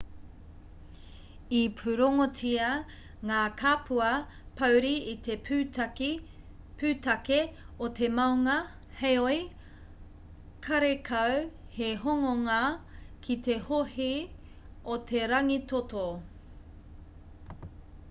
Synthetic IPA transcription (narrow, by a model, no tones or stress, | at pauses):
ipʰʉɾoŋotiɐ | ŋaːkʰaːpʰuɐ | pɐwɾiit̪ep | pʉːt̪ɐke | ot̪emɐwŋɐ | hejoj | kʰɐɾekʰɐw | heɦoŋoŋakʰit̪e̞hohi | ot̪ʰeɾɐŋit̪ot̪o